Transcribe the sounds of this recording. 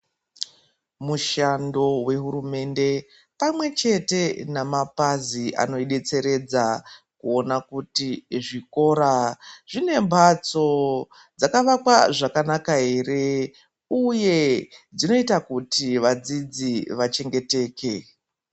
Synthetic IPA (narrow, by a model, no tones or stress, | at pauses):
muʃando̞we̞ɦuɾume̞nde̞ | pamwe̞t͡ʃe̞te̞namapaziʔa̰no̞iɗe̞t͡se̞ɾe̞d͡zakuo̞nakutiʐiko̞ɾaʐ̥ine̞mbʱat͡so̞ | d͡zakaʋakwaʐakanakaɦe̞re̞ | uje̞d͡zino̞itakutiʋad͡zid͡ziʋat͡ʃe̞ŋɡe̞te̞ːke̞